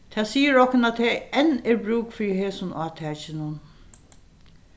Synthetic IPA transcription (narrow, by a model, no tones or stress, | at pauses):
t̪ʰæːsiːəɾɔhkʊnat̪ʰːɛɛnːɛɹbɾuːkfɪɾiheːsʊnʔɑːt̪ʰæːt͡ʃɪnʊn